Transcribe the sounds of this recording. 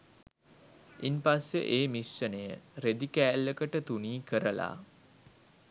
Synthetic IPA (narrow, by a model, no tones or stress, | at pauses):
inpasːḛʔeːmisːənəjəɾed̪ikæːlːəkəʈət̪uniːkəɾəla̰